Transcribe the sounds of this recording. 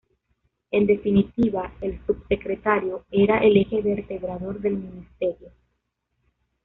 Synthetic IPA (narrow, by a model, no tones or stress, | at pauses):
e̞nd̪e̞finit̪iβaelsubse̞kɾet̪aɾjo̞eɾaʔelexeβeɾt̪e̞βɾaðo̞ɾðe̞lminist̪e̞ɾjo